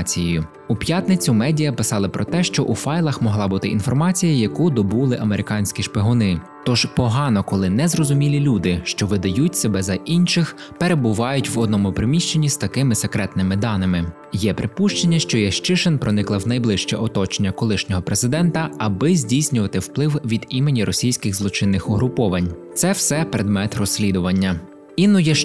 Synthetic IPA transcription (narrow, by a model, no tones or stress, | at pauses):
t͡sʲijjʊ | upjat̪nɪt͡sʲumɛdʲijɐpɪsɑlˠɪpɾɔt̪ɛʃt͡ʃɔʔufɑjlˠɐxmɔɦlˠɑbut̪ɪʔḭn̪fɔrmɑt͡sʲijɐjɐkud̪ɔbulˠɪʔɐmeɾɪkɑnʲsʲkʲiʃpɪɦɔnɪ | t̪ɔʒpɔɦɑnɔkɔlˠɪnɛzrɔzʊmʲilʲilʲud̪ɪʃt͡ʃɔʋɪd̪ɐjutʲsebɛzɐʔinʃɪx | peɾe̞bʊʋɑjʊtʲʋɔd̪̚nɔmʊpɾɪmʲiʃt͡ʃe̞nʲːizt̪ɐkɪmɪsekɾɛt̪nɪmɪd̪ɑnɪmɪ | jɛpɾɪpuʃt͡ʃenʲːɐʃt͡ʃɔjɛʃt͡ʃɪʃenpɾɔnɪklˠɐwnɐjblˠɪʃt͡ʃɛ̰ʔɔt̪ɔt͡ʃenʲːɐkɔlˠɪʃnʲɔɦɔpɾezɪd̪ɛnt̪ɐɐbɪzʲdʲijsʲnʲʊʋɐt̪ɪwplˠɪwʋʲid̪imenʲiɾɔsʲijsʲkʲɪɣzlˠɔt͡ʃɪnːɪxɔɦɾʊpɔʋɐnʲt̪sɛwsɛpɾed̪mɛt̪rɔsʲːlʲid̪ʊʋɐnʲːɐ | inʊjɛ